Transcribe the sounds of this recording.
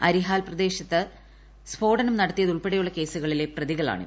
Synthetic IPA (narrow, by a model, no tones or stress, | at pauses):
ɐɾiɦaːlprɐd̪e̞ːɕɐt̪ːɨ | sbʰo̞ːɽɐnɐmnɐɽɐt̪ːijɐðuɭpeɽɐjuɭːɐke̞ːsuɣɐɭile̞prɐðiɣɐɭa̰ːɳɨ̰